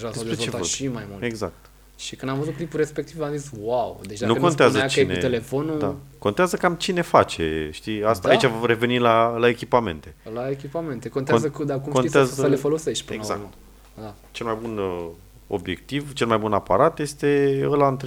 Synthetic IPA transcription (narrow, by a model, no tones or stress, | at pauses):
ʒasdep̪ɾevt͡ʃet̪aoimajmuleɡza̰k̚t̪ | ʃikɨnd̪amvəzut̪klipuɾe̞spek̚t̪ivamziswawd̪et͡ʃd̪anukont̪eazət͡ʃienḛt̪elefonud̪akont̪eazəkamt͡ʃine̞fat͡ʃe̞̰ʃt̪iast̪aait͡ʃavɾe̞ve̞nilalae̞kʲipame̞̰nt̪e̞laekʲipame̞nt̪ekont̪ezəkd̪akumkoieazəlefo̞lo̞seʃt̪̚ʲpɨeɡza̰kt̪ | d̪a | t͡ʃe̞lmajbun | o̞̰bje̞k̚t̪ivt͡ʃelmajbunapaɾat̪je̞st̪e̞əlant̪ɾ